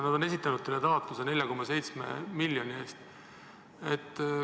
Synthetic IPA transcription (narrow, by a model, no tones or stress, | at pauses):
nɑd̪o̞ne̞sit̪ːˑɑnud̪̥̚selːet̪ɑːt̪lusene̞lʲjɑko̞mːɑse̞jt̪sme̞̰miljo̞nie̞ːst̪ | et̪ː